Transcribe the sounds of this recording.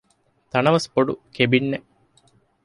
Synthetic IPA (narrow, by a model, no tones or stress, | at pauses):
t̪ɐnɐʋɐspoɖṵkebinːe